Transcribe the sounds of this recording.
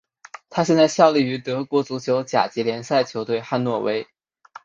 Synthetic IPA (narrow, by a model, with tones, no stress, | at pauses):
t̪ʰa˥ɕ̬jɛ˥˧nt͡sa˥˧ɪɕjɑ˥˧ʊli˥˩y˧˥t̪ɤ˧˥kwɔ˧˥t͡su˧˥t͡ɕʰjo˧˥ʊt͡ɕja̰˨˩t͡ɕi˧˥ljɛ˧˥nsa˥˩ɪt͡ɕʰjo˧˥ʊt̪we˥˧ɪxa˥˧nwɔ˥˩wʔe˥ɪ